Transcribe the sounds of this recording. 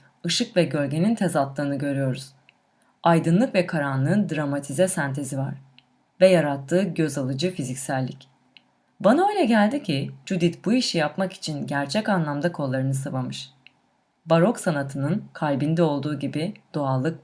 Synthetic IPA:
ɯʃɯkvɛɟø̞ɾɟe̞nint̪ʰɛzat̪lˠɯːnɯɟø̞ɾyjo̞ɾuz̥ | ajd̪ɯnlˠɯkvɛkʰaɾanlˠɯːnd̪ɾamat̪ʰizɛsænt̪ʰe̞zivaɾ̥ | vɛjaɾat̪ʰːɯːɟø̞zalˠɯd͡ʒɯfizicʲsælʲːic | banaø̞jlʲɛɟælʲd̪icʰid͡ʒud̪it̪buiʃijapmaki̥t͡ʃʰinɟæɾt͡ʃʰɛcanlˠamd̪akʰo̞lˠːaɾɯnɯsavamɯʃ | baɾo̞ksanat̪ʰɯnɯnkʰalʲbind̪ɛo̞lˠd̪uːɟibid̪̥oalˠːɯk̚

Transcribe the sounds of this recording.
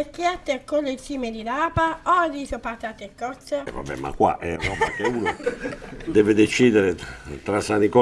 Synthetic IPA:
ekːjɛt̪ːekːɔlːesiːmed̪ilaːpaɔdisopat̪at̪ekːɔt̪sava̰bːɛ̰ma̰kːwa̰ʔɛrɔːbakeuːno | d̪ɛːved̪et͡ʃiːd̪eɾet̪ɾasanikɔ

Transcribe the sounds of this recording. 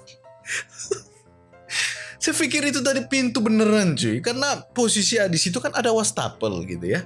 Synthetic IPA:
sajfikɪɾit̪ut̪̬adipint̪ubənəɾand͡ʒukaɾənaposisiadisit̪ukanʔadawast̪a̰pə̰lɡḭt̪uja

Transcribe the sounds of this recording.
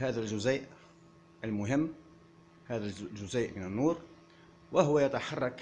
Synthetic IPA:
hæːd̪ælʒʊzæːʔ | əlmʊɦɪmː | hæːðælʒʊzæːʔmɪnənːuːɾ | waɦʊwæjat̪aħɑrˤːɑk

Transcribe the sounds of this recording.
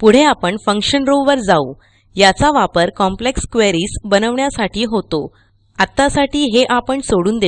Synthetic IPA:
puɽ̤eapəɳfəŋkʂɕənɾoʋʋəɾd͡zau | jat͡saʋapəɾkɔmplekskʋeɾiːsbənəʋɳjasaʈʰiːɦot̪o | at̪ːasaʈiːɦeʔapəɳsoɽuːnd̪e

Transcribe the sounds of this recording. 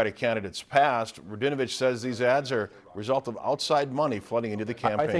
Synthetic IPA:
ɾɨkʰæ̃ɾ̃ɨɾeɪtspʰæst̚ɹɨdɪ̃ñɨvɨt͡ʃsɛzðizædzə˞ | ɹɨzʌlˠtʌva̰ʊtsaɪd̚mʌniflʌɾɪ̃ŋɪ̃ntʉðɨkʰæ̃m

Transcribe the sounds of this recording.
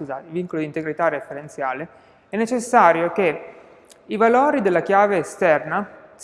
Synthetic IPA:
skuzaːt̪elviŋkolod̪int̪eɡɾit̪arefeɾent̪sjaːle | ɛnːet͡ʃesːaːɾjoke | ivaloːɾid̪elːakjaːveːst̪ɛrnas

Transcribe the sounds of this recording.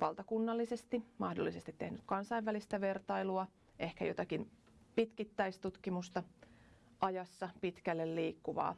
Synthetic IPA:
ʋɑlt̪ɑkunːɑlːisest̪imɑhdo̰lːisest̪it̪tːe̞hnyk̪kɑnsɑiʋʋælist̪æʋe̞rt̪ɑiluɑ | ʔe̞hkæ̰jo̞t̪ɑkin | pit̪kit̪ːæist̪ut̪kimust̪ɑ | ʔɑjɑsːɑpit̪kælːelliːkːuʋɑ̰ː

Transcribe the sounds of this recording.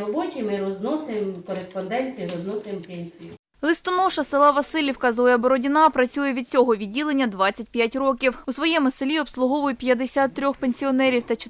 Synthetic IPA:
ɔbɔt͡ʃʲɪmɪɾɔznɔsemkɔɾespɔnd̪ɛnʲt͡sʲijiɾɔznɔsɪmpɛnʲsʲijʊ | lˠɪst̪ɔnɔʃɐsɪlˠɑʋɐsɪlʲiwkɐzʋɔjɐbɔɾɔdʲinɑpɾɐt͡sʲujɛʋʲid̪̚t͡sʲɔɦɔʋʲidʲilˠenʲːɐd̪ʋɑt͡sʲːɐt̚ʲpʲjatʲrɔkʲiwusʋɔjɛmʊsɪlʲiɔpslˠʊɦɔʋʊjʊpʲjɐd̪esʲat̪ːɾʲɔxpenʲsʲiɔnɛɾʲiwt̪ɐt͡ʃɪ

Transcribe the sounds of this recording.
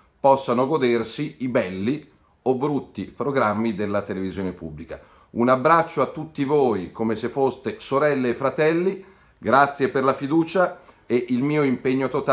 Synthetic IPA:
pɔsːanoɡod̪ersiibɛlːi | obɾut̪ːipɾoɡɾamːid̪elːat̪elevizjoːnepubːlika̰ | unabːɾat͡ʃːoat̪ːut̪ːivoːjkomesefːost̪esoɾɛlːeːfːɾat̪ɛlːi | ɡɾat̪sːjeperlafid̪uːt͡ʃa | eʔilmiːoimpeɲːot̪ot̪

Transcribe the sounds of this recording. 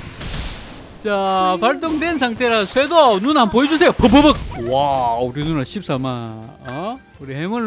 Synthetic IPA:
t͡ɕapaɭt͈oŋdwensʰaŋtʰeɾasʰwedonunhampoed͡ʑus̬ʰejopɯp̬ɯbɯk̚wauɾinunaɕʰip̚s͈ama | ʌ | uɾihemɯɭ

